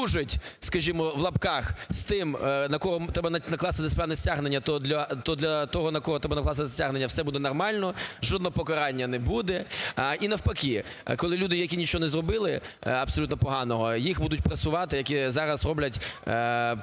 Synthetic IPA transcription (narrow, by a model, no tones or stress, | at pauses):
uʒɪtʲskɐʒʲimɔʋlˠɐpkɑxst̪ɪmnɐkɔɦɔt̪ɾɛbɐnnɐklˠɑsɪt̪ɪsʲpɾanɛsʲtʲaɦnenʲːɐt̪ɔd̪lʲɐt̪ɔd̪lʲɐt̪ɔɦɔnɐkɔɦɔt̪ɾɛbɐnɐklˠɑsɪt̪ɪsʲaɦnenʲːɐwsɛbud̪ɛnɔrmɑlʲnɔʒɔd̪nɔɦɔpɔkɐɾɑnʲːɐnɛbud̪ɛʔinɐwpɐkʲi | kɔlˠɪlʲud̪ɪjɐkʲinʲit͡ʃɔɦɔnɛzrɔbɪlˠɪ | ɐpsɔlʲut̪nɔpɔɦɑnɔɦɔjixbud̪ʊtʲpɾɐsʲʊʋɑt̪ɪjɐkʲizɑɾɐsrɔblʲɐtʲ